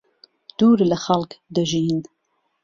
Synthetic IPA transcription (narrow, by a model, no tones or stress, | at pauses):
d̪̥uːɾləxalkd̪əʒiːn